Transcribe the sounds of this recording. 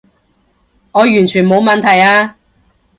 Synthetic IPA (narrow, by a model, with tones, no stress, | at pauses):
ŋɔː˨˧jyː˨˩nt͡ʃʰyː˨˩nmo˨˧wmɐ˨nt̪ʰɐ˨˩jaː˧